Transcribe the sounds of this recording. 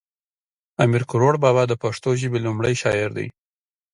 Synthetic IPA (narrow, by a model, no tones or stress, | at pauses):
amiɾkʊɾoɽbɑbɑd̪əpaʂt̪oʒəbelumɽəjʃɑjɪɾd̪a̰j